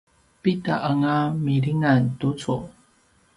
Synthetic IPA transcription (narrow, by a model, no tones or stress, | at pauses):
pitaʔəŋamiɾiŋantut͡su